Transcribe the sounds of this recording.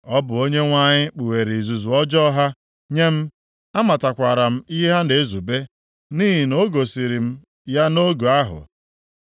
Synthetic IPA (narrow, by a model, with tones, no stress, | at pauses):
ɔ˦bʊ˨o˦ɲe˦ŋʷa˦ɲɪ˦k͡pu˨we˨ɾi˨i˨zu˨zu˨ɔ˦d͡ʒɔ˦ɦa˦ | ɲe˦m̩˦ | a˦ma˨ta˨kʷa˨ɾa˨m̩˦i˦ɦa˦ne˨˦zu˨be˦ | niː˦ɦi˨no˦ɡo˨si˨ɾi˨m̩˦ | ja˦no˦ɡu˨a˦ɦʊ̰˨